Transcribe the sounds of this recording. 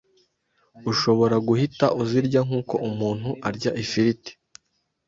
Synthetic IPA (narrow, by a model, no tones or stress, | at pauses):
uʃoβo̞ɾaɡuhitaʔuziɾɟaŋ̥uːko̞ʔumuːn̥huʔaɾɟaʔifiɾiti̥